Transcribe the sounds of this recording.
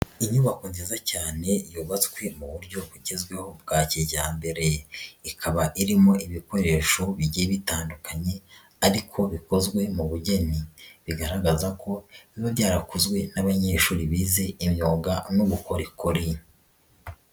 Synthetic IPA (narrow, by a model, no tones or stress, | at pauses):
iɲuβakonzizacaːne̞joːβat͡skwe̞muβuɾɟo̞βuɟezɡwe̞ho̞b̚ɡaːciɟaːmbe̞ɾe̞ikʰaβaʔiɾimo̞ʔiβiko̞ɾe̞ːʃo̞βiɟeβitaːndukaɲe̞ | aɾikʰo̞βiko̞zɡwe̞muβuɟe̞niβiɡaɾaɡazakʰo̞βiβabjaːɾakuzɡwe̞naβaɲe̞ːʃuːɾiβize̞imɲoːŋɡanoɡuko̞ɾikoɾi